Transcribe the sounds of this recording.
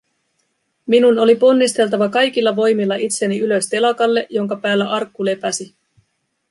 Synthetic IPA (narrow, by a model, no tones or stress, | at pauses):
minuno̞lipo̞nːist̪e̞lt̪ɑʋɑkɑjk̟ilːɑʋo̞jmilːɑit̪se̞niylø̞st̪e̞lɑkɑlːe̞ʔjo̞ŋkɑpæːlːæʔɑrkːule̞pæsi